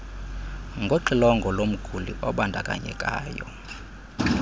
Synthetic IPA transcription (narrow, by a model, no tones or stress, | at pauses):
ŋɡʱoǃilɔŋɡʱɔlom̩ɡ̥ʱulḭʔɔɓandʱakʼaɲɛ̰kʼa̰ːjɔ̰